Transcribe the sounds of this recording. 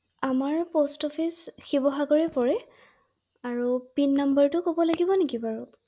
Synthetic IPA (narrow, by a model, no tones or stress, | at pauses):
amaɹpostɔpʰisxibɔɦaɡɔɹɛpɔɹɛ | aɹupinːambəɹtʊkobɔlaɡibɔnekibaɹu